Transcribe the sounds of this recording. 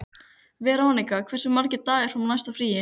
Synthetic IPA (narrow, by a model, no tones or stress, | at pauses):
vɛɾaːwnikakʰvɛr̥sɪmaɾcɪt̪aːɣɪɾ̥fɾawmnajst̪afɾiːjɪ